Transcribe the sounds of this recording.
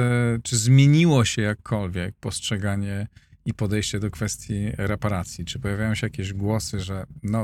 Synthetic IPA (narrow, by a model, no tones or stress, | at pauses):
t͡ʂɘzmʲjeɲiwɔɕɛjakːɔlvʲjɛk̚pɔstʂɛɡaɲɛ | ipɔd̪ɛjɕt͡ɕɛd̪ɔkfɛst̪ʲjiɾɛpaɾat̪sʲjit͡ʂɘpɔjavʲajɔ̃ɕɛjakʲeʑɡwɔsɘʐɛnɔ